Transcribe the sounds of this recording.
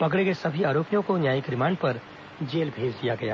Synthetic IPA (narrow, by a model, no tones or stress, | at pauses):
pɐkɽekesɐbʱiaːɾoːpijõkonjaːjɪkɾɪmãːɳɖpɐɾ | d͡ʒeːlbʱeːd͡ʒd̪ijaɡɐja̰ː